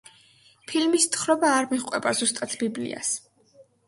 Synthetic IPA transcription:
pʰilmist̪χɾɔbaːɾmiʁqʼwɛbazust̪ʼat̪ʰbiblḭa̰s

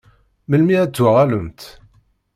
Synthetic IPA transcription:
məlmiæt͡sːwaʁæləmt̪

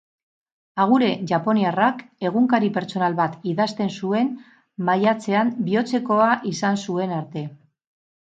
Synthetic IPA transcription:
aɣ̞uɾe̞ʝapo̞niarake̞ɣ̞uŋkaɾipe̞ɾt͡so̞nalβat̪iðast̪e̞nsue̞n | majat͡se̞ambio̞t͡se̞ko̞aʔisansue̞naɾt̪e̞

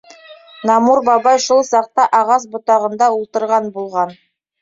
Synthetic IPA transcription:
nɑmuɾbɑβɑjʃulˠsɑq̚t̪ɑʔɑʁɑs̬bŏt̪ɑʁɤ̆nd̪ɑulˠt̪ɤ̆ɾʁɑnbulˠʁɑn

